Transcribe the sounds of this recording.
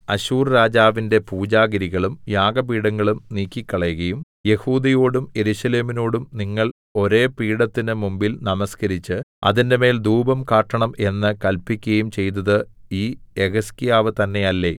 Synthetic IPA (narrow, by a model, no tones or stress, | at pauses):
ɐɕuːrɾaːd͡ʑaːʋinde̞puːd͡ʑaːɡɐɾiɣɐɭumjaːɡɐpiːɽɐŋːɐɭumniːkʲːikʲːɐɭejɣɐjum | je̞huːd̪ɐjo̞ːɽumje̞ɾuɕɐle̞ːmino̞ːɽumniŋːɐɭ | o̞ɾe̞ːpiːɽɐt̪ːinɨmumbilnɐmɐskɐɾit͡ɕːɨɐ̰ðinde̞me̞ːld̪uːbɐmkaːʈːɐɳɐmʔe̞nːɨkɐlpikʲːɣɐjumt͡ɕe̞jt̪ːɐðɨiːeɣɐskijaːʋɨt̪ɐnːe̞jɐlːe̞